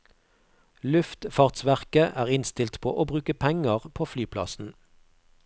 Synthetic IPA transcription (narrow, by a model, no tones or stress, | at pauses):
lʉft̪fɑʁt̪sʋæʁkəʔæːʁɪnst̪ɪlt̪pʰo̰ːʔoːbʁʉːkəpʰɛŋəʁpʰoːflyːpʰlɑ̰sn̩